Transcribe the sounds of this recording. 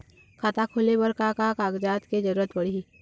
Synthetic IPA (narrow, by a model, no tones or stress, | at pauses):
kʰaːt̪akʰoːlebəɾkakakaːɡd͡ʒaːt̪ked͡ʒəɾuːɾət̪pəɽii